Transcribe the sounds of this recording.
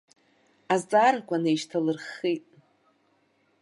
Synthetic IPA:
azt͡sʼaɾakʷʰanejʃtʰalɨrχitʼ

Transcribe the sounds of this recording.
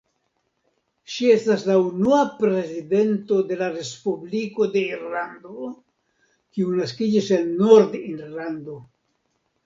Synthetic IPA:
ʃie̞staslaunuapɾe̞zid̪e̞nto̞d̪e̞laɾe̞spubliko̞d̪e̞iɾland̪o̞ | kiunaskid͡ʒise̞nːoɾd̪iɾland̪o̞

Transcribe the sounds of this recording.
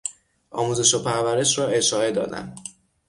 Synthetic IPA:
ʔɒːmuːze̞ʃopʰæɾvæɾe̞ʃrɒːe̞ʃɒːe̞d̪ɒ̰ːd̪æ̰m

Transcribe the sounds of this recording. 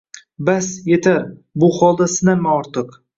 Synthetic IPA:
basjet̪ʰaɾbʊχɒlˠd̪asɪnamːaɒɾt̪ʰɨq

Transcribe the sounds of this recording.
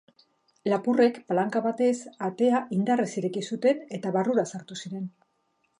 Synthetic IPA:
lapure̞kpalaŋkaβat̪e̞sat̪e̞aʔind̪arisiɾe̞kisut̪e̞ne̞t̪aβaruɾasaɾt̪usiɾe̞n

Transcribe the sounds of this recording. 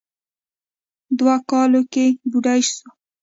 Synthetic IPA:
d̪wakɑlokebuɖajʃso

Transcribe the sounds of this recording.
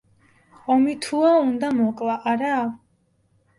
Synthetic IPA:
ɔmit̪ʰuaund̪amɔkʼlˠaʔːɾa

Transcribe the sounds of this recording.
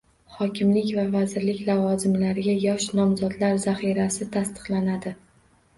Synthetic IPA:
χɒkʲʰɪmlɪkʲvavazɪɾlɪkʲlavɒzɪmlaɾɪɡʲajɒʃnɒmzɒd̪laɾzaχiɾasɪt̪ʰast̪ɨ̥qlanad̪ɪ

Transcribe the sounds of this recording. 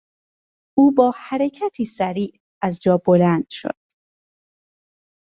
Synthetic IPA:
ʔuːbɒːhæɾecʰæt̪ʰiːsæɾiːʔ | æzd͡ʒɒːbolænd̪̥ʃo̰d̪̥

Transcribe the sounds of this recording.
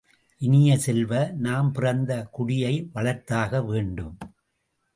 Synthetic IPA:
ʔɪnɪjɐsɛlʋɐnaːmpɪrɐnd̪ɐkʊɽɪjɐɪʋɐɭɐɾt̪aːɣɐʋeːɳɖɯm

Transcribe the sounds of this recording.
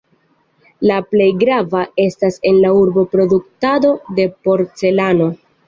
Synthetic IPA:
laple̞jɡɾavae̞stase̞nlauɾbo̞pɾo̞duk̚tado̞de̞po̞ɾt͡se̞lano̞

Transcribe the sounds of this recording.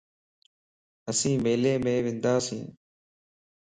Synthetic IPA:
əsĩːmeːleːmẽːʋɪ̃nd̪aːsḭ̃ː

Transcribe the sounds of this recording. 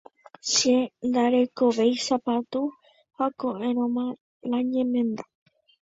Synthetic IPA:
ʃend̪aɾe̞ko̞ʋe̞jsapat̪u | hakoʔẽɾ̃õmã | lãɲẽ̞mẽnd̪a

